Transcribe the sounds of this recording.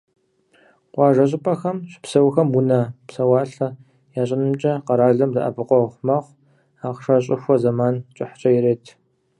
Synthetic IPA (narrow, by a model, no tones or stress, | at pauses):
qʷɑːʒɐɕ̬ʼɪpʼɐxɐmɕɪ̥psɐwxɐmwʊnɐpsɐwaːɬɐ | jaːɕʼɪnɨmt͡ʃʼɐqɐɾaːɮɐmdɐ̰ʔɐ̰bʰɨqʷɔχʷmɐχʷ | aːqʂɐɕʼɪxʷɔzɐmaːnt͡ʃʼɪħt͡ʃʼɐjɪɾeːtʰ